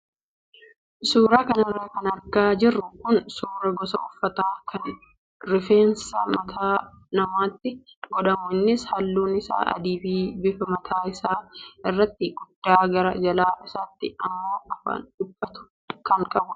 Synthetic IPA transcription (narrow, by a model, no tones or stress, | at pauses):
suːɾaːkɐnɐrːɐkɐnɐɾɡaːd͡ʒɪrːʊkʊnsuːɾɐɡɔsɐ̰ʊfːɐt̪aːkʰɐn | ɾɪfeːnsɐmɐt̪ʰaː | nɐmaːt̪ːɪɡɔᶑɐmʊɪnːɪshɐlːuːnɪsa̰ːʔɐ̰d̪iːbiːbɪfɐmɐt̪ʰaːɪsaːɪrːɐt̪ːɪɡʊd̪̥ːaːɡɐɾɐd͡ʒɐlaːʔɪsaːt̪ːɪɐmːoːʔɐfɐ̰ndʊbːɐt̪ʊ̥ | kɐŋkʼɐbʊ